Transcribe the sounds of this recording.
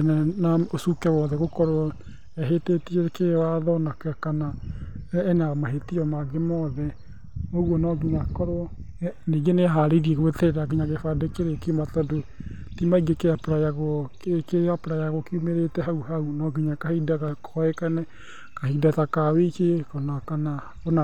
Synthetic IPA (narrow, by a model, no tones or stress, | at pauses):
nɛnaosukɛwɔðɛɣokɔɾoɔ | ɛɦetetiɛkewaðɔnakakanaː | namaɦetijɔmaɡemɔðɛ | oɣwɔnɔɡiɲakɔɾɔ | neɡeneaɦaɾeiɾieɣoeteɾeɾaɡiɲaɡefadekeɾekematadotimaiɡekeapoɾajaɣɔ | keapoɾajaɣokiumeɾetɛɦauɦaunɔɡiɲakahidakakʰɔɛkanɛ | kahidatakaweikekɔnakana | ona